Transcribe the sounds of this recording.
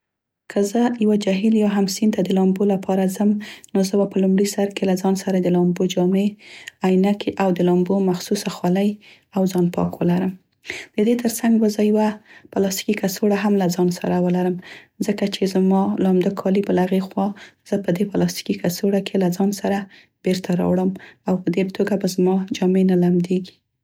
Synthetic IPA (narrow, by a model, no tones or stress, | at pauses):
kʰəzəjawad͡ʒaɦiljɑɦamsint̪ad̪əlɑmbolapʰɑɾazəmnozəwapəlumɽisaɾkelazɑnsaɾad̪əlɑmbod͡ʒɑmeajnakʰeʔawd̪əlɑmbomaxsusaxwaləj | awzɑnpɑ̰kwəlaɾəm | d̪̥əd̪et̪əɾsaŋɡbəzəjawapalɑst̪i̥kikasoɽaɦamlazɑnsa̰ɾawəlaɾəmzəkat͡ʃezmɑlɑmd̪akʰɑlibəlaaɣexwɑz̥əpəd̪epalɑst̪i̥kikasoɽakʰelazɑnsaɾa | b̥eɾt̪ʰaɾɑ̰wɽəmawpəd̪et̪ʰoɡabazmɑd͡ʒɑmenalamd̪eɡi̥